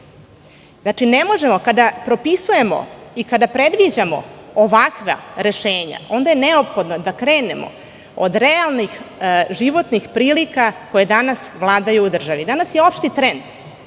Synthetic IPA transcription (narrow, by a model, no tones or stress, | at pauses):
znaʈ͡ʂine̞mo̞ʒe̞mo̞kad̪apɾo̞pisuje̞mo̞̰ikad̪apɾe̞d̪ʋid͡ʑamo̞̰oʋakʋa̰ɾe̞ʃeːɲa̰ʔo̞nd̪ajene̞o̞pxo̞d̪no̞d̪akɾe̞ːne̞mo̞̰ | o̰d̪ɾealˠnixʒiʋo̞t̪nixpɾiːlikako̞jed̪anasʋlˠaːd̪ajuːd̪r̩ʒaʋid̪anasjeo̞pʃt̪it̪ɾend̪